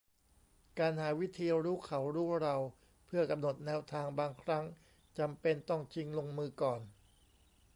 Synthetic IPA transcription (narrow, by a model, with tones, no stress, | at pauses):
kaː˧nhaː˩˦wi˦˥t̪ʰiː˧ɾuː˦˥kʰa˩˦wɾuː˦˥˩ɾa˧w | pʰɯ˥˩ɐka˧mno˨˩t̪̚nɛː˧˥wt̪ʰaː˧ŋbaː˧ŋkʰɾa˦˥ŋ | t͡ɕa˧mpe˧nt̪ɔ˥˩ŋt͡ɕʰi˦ŋlo˧ŋmɯː˧kɔː˨˩n